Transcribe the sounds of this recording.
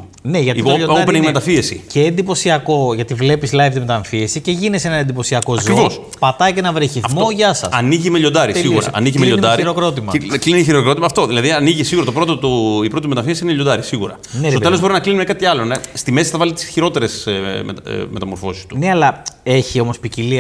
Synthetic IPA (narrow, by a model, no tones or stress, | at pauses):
neʝɐt̪iooʎoɐɾneimet̪ɐfiesḭceːnd̪ipo̞siɐko̞ʝɐt̪ivle̞pislɐjft̪imet̪ɐɱfiesiceʝinese̞nɐend̪ipo̞siɐko̞ɐzokɾivo̞s | pɐt̪ɐicenɐvɾiçiθmo̞ʝɐsɐ̰sɐniʝimeʎo̞nd̪ɐɾisiɣuɾɐ̰ɐ̰niʝimeʎod̪ɐɾiɾokɾo̞t̪imɐkliniiçiɾokɾo̞t̪imɐːft̪o̞ðilɐðiɐniʝisiɣuɾɐt̪opɾo̞t̪ot̪oipɾot̪imet̪ɐfiesiineʎod̪ɐɾisiɣuɾɐ̰ | nettot̪e̞lo̞zbo̞ɾinɐklinimekɐt̪iɐlonest̪ime̞si̥θɐvɐlit̪i̥sçiɾo̞t̪e̞ɾe̞smḛtme̞t̪ɐmo̞ɾfo̞si̥st̪uneɐlɐe̞çio̞mo̞spicili